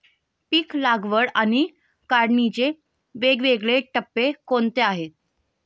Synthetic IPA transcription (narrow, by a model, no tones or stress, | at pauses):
piːklaɡʋəɽañi | kaɾɽnit͡ɕe | ʋeɡʋeɡɭeʈəpːekont̪eaɦet̪̚